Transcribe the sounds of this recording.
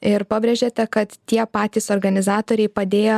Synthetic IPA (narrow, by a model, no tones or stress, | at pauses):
ɪɾpɐbʲɾʲɛʒʲeːt̪ʲɛkɐt̪t̪ʲiɛpɑːt̪ʲiːsoɾɡɐnʲɪzɑːt̪oːɾʲɛɪpɐd̪ʲeːjo